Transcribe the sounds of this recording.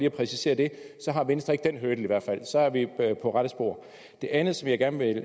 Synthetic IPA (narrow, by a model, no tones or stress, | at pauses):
liːɒpʰʁɛsise̝̰ːɐd̥e̝sɒ̽ɦɑ̈ʋensd̥ɐeɡ̥̚d̥enɦøːd̥l̩iʋæɐ̰d̥fæl̰sɒ̽æɐʋipʰɒ̽ʁaɾ̥əsb̥o̝̰ːɐ̰ | d̥e̝ʔænð̩ˠsɒ̽mjɑ̈ɪɡ̥æɐnʋe̝l